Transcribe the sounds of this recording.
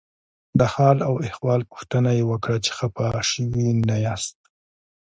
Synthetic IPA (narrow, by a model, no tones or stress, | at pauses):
d̪əhɑlawɪxwɑlpu̥xt̪ənajewəkɽat͡ʃe̥xapaʃəwinajast̪̚